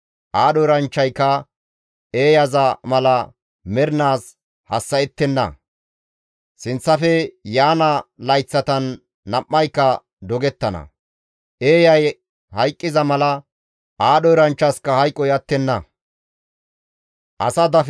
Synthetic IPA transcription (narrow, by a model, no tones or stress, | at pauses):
ʔaːɗɔjɾɐnt͡ʃːɐjkːɐ | eːjɐzɐmɐlɐ | mɛɾɪnaːs | hɐsːɐɛt̪ːɛnːɐ̰ | sɪnt͡sːɐfɛjaːnɐlɐjt͡sːɐt̪ɐnː | ɐʔːɐjkːɐ | d̪ɔɡɛt̪ːɐnɐ̰ | ʔeːjɐj | hɐjkʼːɪzɐmɐlɐ | aːɗɔjɾɐnt͡ʃːɐskːɐhɐjkʼːɔjɐt̪ːɛnːɐ | ʔɐ̰sɐd̪ɐf